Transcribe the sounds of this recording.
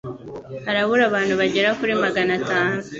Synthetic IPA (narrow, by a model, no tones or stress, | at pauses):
haɾaβuɾaβaːnhuβaɟe̞ɾakuɾimaɡanataːnu